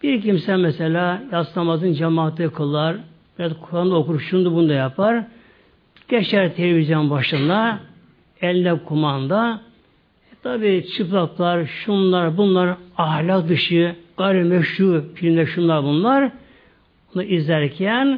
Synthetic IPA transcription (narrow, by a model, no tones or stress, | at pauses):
b̥iɾcʰimsɛmɛselʲaːjaslˠamazɯnd͡ʒamaːt̪ʰɯkʰɯlˠaɾ | b̥iɾazkʰuɾand̪aokuɾuʃund̪ubund̪ajapʰaɾ | ɟ̥et͡ʃæɾt̪ʰelʲevizʲjo̞nbaʃɯnd̪a | ɛlʲnɛkʰumand̪a | ɛt̪ʰabiːt͡ʃʰɯplˠaklˠaɾʃunlˠaɾbunlˠaɾɑhlʲak̚d̪ɯʃɯɡ̥ajɾɛmɛʃuɾfilʲimd̪ʲɛʃunlˠaɾbunlˠaɾ | bunaizlʲæɾcʰæn